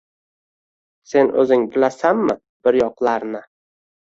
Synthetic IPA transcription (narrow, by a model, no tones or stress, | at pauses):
se̞nʔɵ̰zɪŋbɪlasamːɪ | b̥ɪɾjɒqlˠaɾnɪ